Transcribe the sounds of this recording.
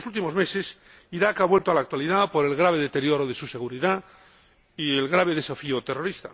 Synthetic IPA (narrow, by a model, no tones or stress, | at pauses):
sult̪imo̞zme̞ses | iɾakaβwe̞lt̪oalak̚t̪waliðapo̞ɾe̞lɣɾaβ̞eðet̪e̞ɾjo̞ɾoðe̞suse̞ɣ̞uɾiða | ie̞lɣɾaβ̞eðe̞safiot̪e̞ro̞ɾist̪a̰